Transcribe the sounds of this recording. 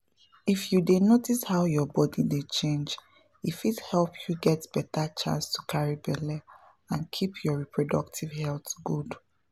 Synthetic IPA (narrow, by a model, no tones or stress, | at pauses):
ifjudenotishaʊjɔbɔdidet͡ʃẽnd͡ʒ | ifithɛlpʰjuɡɛtb̥ɛtat͡ʃã̰nstukʰaɹibɛlɛ | ãnkʰipʰjɔɹipʰɹodɔ̰k̚tʰivɦɛltɡud